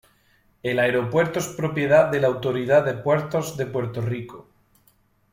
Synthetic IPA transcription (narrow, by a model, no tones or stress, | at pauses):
e̞laeɾo̞pwe̞ɾt̪oespɾopje̞ð̞aðe̞lawt̪o̞ɾið̞aðe̞pwe̞ɾt̪o̞zðe̞pwe̞ɾt̪o̞riko